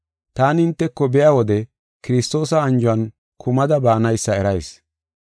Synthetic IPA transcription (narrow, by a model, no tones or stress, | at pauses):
t̪aːnɪnt̪ːɛkːɔbɛjawɔd̪ɛ | kɪɾɪst̪o̞ːsɐːnd͡ʒʊɐn | kʰʊmɐd̪ɐbaːnɐjsːɐɛɾɐjs